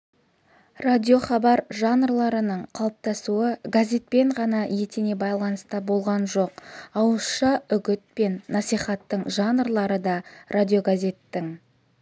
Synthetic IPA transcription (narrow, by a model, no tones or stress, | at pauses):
rad̪ʲijo̞χɑbɑɾʒɑnrlˠɑɾənəɴqʰɑlˠp̚t̪ɑsuəɡazʲe̞t̪̚pe̞ɴʁɑnɑje̞t̪ene̞bɑjlˠɑnəst̪ɑbo̞lˠʁɑnʒo̞qɑwəsʃɑʏɡʲɪt̪̚pe̞nːɑsijχɑt̪ːəɴʒɑnrlˠɑɾəd̪ɑrʔad̪ʲijo̞ɡazʲe̞t̪ːɪŋ